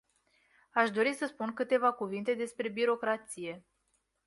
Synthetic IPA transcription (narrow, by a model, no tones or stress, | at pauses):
aʃd̪o̞ɾisəspunkɨt̪e̞vakuvint̪e̞d̪e̞spɾe̞biɾo̞kɾat̪sije̞